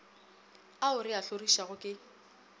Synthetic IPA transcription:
aʊrɪaɬoriʃaɣʊkʼɪ

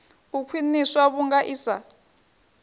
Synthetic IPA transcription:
βukʰwiniswaβuŋɡaʔiːsa̰

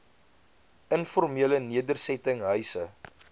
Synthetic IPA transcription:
ənfɔrmiələniədərsɛtəŋɦœɥsə

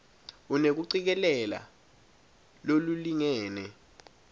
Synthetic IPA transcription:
unek̬uǀik̬ɛlɛla̰ | loluliŋɛːnɛ

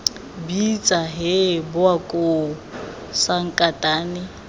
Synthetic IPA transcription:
bit͡sʼaɦɪbʊakʼo | saŋ̩kʼatʼaːnɪ

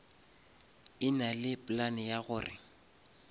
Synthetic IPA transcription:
ɪnalɪpʼlanɪjaɣʊːrɪ̰

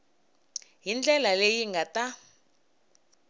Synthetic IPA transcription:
ɦind͡ɮɛlalejiŋɡata

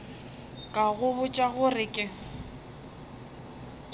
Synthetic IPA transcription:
kʼaɣʊβʊt͡ʃʼaɣʊrɪkʼɪ

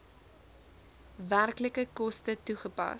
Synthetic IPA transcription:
værkləkəkɔstətuχəpɐ̰

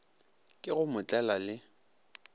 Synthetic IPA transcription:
kʼɪɣʊmʊt͡ɬʼɛlalɪ

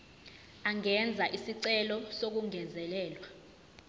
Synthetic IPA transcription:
aŋɛnd͡zʱaʔisiǀɛlɔsok̬uŋɛzɛlɛːlwa

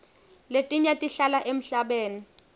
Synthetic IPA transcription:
letʼiɲatʼiɬalaʔem̩ɬaɓeːni

